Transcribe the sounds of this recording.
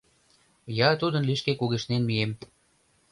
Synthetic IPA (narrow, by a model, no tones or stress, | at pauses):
jɑt̪ud̪ənliʃkekuɣeʃnenmiem